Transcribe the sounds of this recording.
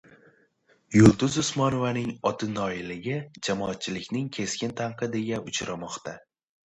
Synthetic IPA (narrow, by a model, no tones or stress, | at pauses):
jʊlˠd̪ʊzʊsmɒnovanɪŋɒt̪ʰɪnɒɪlɪɡʲɪd͡ʒamɒat̪̚t͡ʃʰɪlɪkʲnɪŋkʲʰe̞skʲɪnt̪ʰaɴqʰɨd̪ɪɡʲaʊt͡ʃʰɾamɒqt̪ʰa